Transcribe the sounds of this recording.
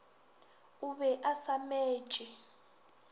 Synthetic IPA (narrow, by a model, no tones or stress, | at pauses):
uβɛʔasamɛ̥ːʒ̥ʼʱɛ